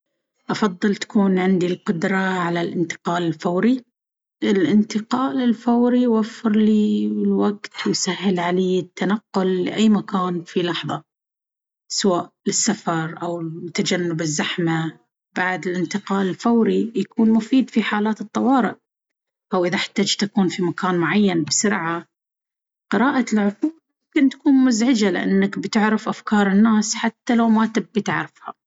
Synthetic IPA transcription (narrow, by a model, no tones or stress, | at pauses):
ʔɑfɑðˤːɨlt̪ḁkuːnʕɪnd̪ilqʊd̪ɾˤɑʕalalʔɪnt̪ɪ̥qɑːlɪlfawɾi | ʔɪlʔɪnt̪ɪqɑːlɪlfawɾiwafːɪɾliɪlwaɡt̪wɪsahːɪlʕaliːɪt̪ːanaqːʊlːɪ̰ʔajːmakaːnfilɑħðˤɑ | sawaːʔlɪsːafɑɾˤʔawt̪ːad͡ʒanːʊbɪzːaħma | baʕd̪ɪlʔɪnt̪ɪqɑːlɪlfawɾijakuːnmʊfiːd̪fiħaːlaːt̪ɨt̪ˤːɑwɑːɾɪʔ | ʔawʔɪðaħḁt̪ːaːd͡ʒt̪akuːnfimakʰaːnmʊʕajːanbsʊɾʕa | qɨɾaːʔalʕʊfuːmʊmkɪnt̪ḁkuːnmʊzʕɪd͡ʒalɪ̰ʔa̰nːakbt̪ɪʕɾɪfʔafkɑːɾˤɪnːaːsħat̪ːalawmat̪ɪbbit̪ɪʕɾɪfha